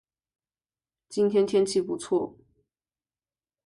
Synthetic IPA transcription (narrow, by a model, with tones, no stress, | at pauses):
t͡ɕi˥nt̪ʰjɛ˥nt̪ʰjɛ˥nt͡ɕʰi˥˩pu˧˥t͡sʰwɔ˥˩